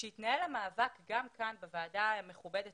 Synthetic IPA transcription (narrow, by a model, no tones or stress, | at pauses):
ʃejit̪naelamaːvakɡamkanbevaːdaame̞χube̞det